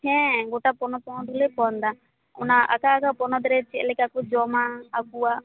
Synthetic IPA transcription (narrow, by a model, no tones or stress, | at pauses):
hɛ̃ɡoʈapɔnɔpɔnɔd̪ulepɔnd̪a | ṵnaʔa̰kaːkapɔnɔd̪ɾɛt͡ʃɛlɛkakud͡ʒɔmaːkua